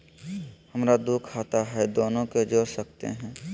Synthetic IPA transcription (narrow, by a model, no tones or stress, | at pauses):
hɐmɾad̪ukʰaːt̪aɦɛd̪oːnõked͡ʒoːɾsɐk̚t̪ḛɦɛ̃ː